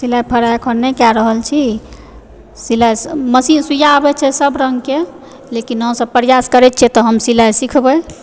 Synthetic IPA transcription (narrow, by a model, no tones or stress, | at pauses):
silajpʰəɾakʰənnɛkaɾəɦəlt͡ʃʰi | silajsməsisujaəbɛt͡ʃʰɛsəbɾəŋɡke | lekinɦəmsəbpɾjaskəɾɛt̪̚t͡ʃʰɛt̪ɔɦəmsilajsikʰbəj